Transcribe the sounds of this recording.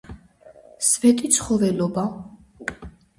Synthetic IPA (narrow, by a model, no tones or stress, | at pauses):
svɛt̪ʼit̪sʰχɔvɛlɔba